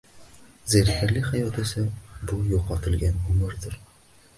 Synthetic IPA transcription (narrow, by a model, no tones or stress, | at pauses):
zæɾifæɾlɘχæjɒt̪ɵ̆sɘbujuqɑt̪ɘ̆lɡænbulˠɤɾd̪ɤɾ